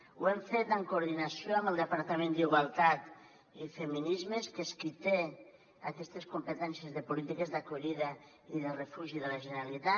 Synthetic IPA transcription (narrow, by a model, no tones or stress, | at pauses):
uɛɱfet̪əŋkuuɾð̞inasioambəlˠd̪əpaɾt̪amẽnd̪iɣwalˠt̪at̪ | ifəminizmeskeskit̪e | akɛst̪eskumpət̪ɛnsjəzðəpulit̪ikezðakuʎiðə | iðərəfuʒiðəlaʒənəɾalit̪a